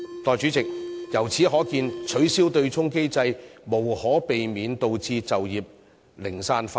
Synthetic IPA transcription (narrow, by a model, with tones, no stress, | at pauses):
t̪ɔː˨˧jt͡ʃy˨˥t͡sɪ˨k̚jɐ˨˩wt͡sʰiː˨˥ɦɔː˨˥kiː˧nt͡ʃʰɵ˨˥ɥsiː˥wt̪ɵ˧ɥt͡sʰʊ˥ŋke˥jt͡sɐ˧jmo˨˩whɔː˨˥pe˨jmiː˨˧nt̪o˧wt͡siː˧t͡sɐ˨wjiː˨p̚ | lɪ˨˩ŋsaː˧nfa˧